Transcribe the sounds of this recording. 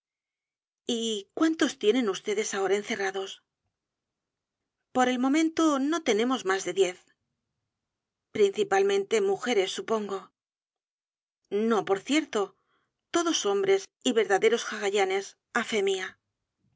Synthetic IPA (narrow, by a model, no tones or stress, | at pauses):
ikwant̪o̞st̪je̞nẽ̞nust̪e̞ðe̞sao̞ɾaenθe̞raðo̞s | po̞ɾe̞lmo̞mẽ̞nt̪o̞no̞t̪e̞ne̞mo̞zmazðe̞ðje̞θ | pɾinθipalmẽ̞nt̪e̞muxe̞ɾe̞sːupo̞ŋɡo̞ | no̞po̞ɾθje̞ɾt̪o̞ | t̪o̞ðo̞so̞mbɾe̞siβe̞ɾðaðe̞ɾo̞sxaɣaʎane̞s | afe̞mia